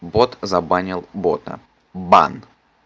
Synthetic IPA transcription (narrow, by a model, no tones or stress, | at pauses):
bot̪zɐbanʲɪlˠbo̰t̪ə̰ | ba̰n